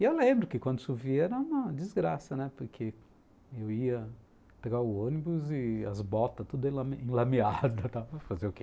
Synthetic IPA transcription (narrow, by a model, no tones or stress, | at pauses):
ɪewlẽmbɾʊkɪkwɐ̃nd̪ʊsuviɛɾɐũmɐd͡ʒɪzɡɾasɐnɛpoɾkʰe | ewiɐ | peɡaʊõnibʊzɪɐ̰zbɔt̪ɐt̪ud̪ẽlɐmẽlɐmiad̪ɐt̪apɐfazeʊke